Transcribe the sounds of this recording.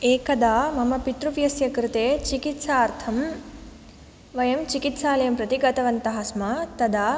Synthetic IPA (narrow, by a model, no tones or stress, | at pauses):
eːkɐd̪aːmɐmɐpit̪ɾuʋjɐsjɐkɾɪt̪eːt͡ʃikit̪saːɾt̪ʰɐm | ʋɐjɐmt͡ʃikit̪saːlɐjɐmpɾɐt̪iɡɐt̪ɐʋɐnt̪ɐɦɐsmaːt̪ɐd̪aː